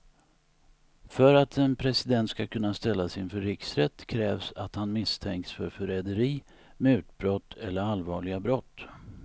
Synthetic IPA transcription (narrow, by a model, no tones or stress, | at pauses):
fœɾat̪ʰɛnpʰɾɛsɪd̪ɛnt̪skakʰɵnːast̪ɛlːasɪnfœɾːɪksɾɛt̪ːkʰɾɛːvsat̪hanmɪst̪ʰɛŋksfœ̰ɾfœɾɛd̪əɾiː | mɛʉ̟ːt̪̚bɾɔt̪ʰːɛlːəɾalvɑːɭɪɡabɾɔt̪ː